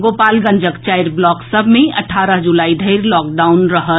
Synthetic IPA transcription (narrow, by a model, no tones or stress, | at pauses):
ɡopaːlɡə̃nd͡ʒəkt͡ʃajɾblɔːksəbʱmẽə̰ʈʰaɾəɦd͡ʒulaːid̪ʱəɪɾlɔːk̚ɖaʊnɾəɦə